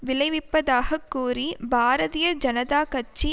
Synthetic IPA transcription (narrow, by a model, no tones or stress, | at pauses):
ʋɪlɐɪʋɪpːɐðaːɣɐkːuːɾibʱaːɾɐðijɐd͡ʒɐnɐðaːkɐt͡ʃːi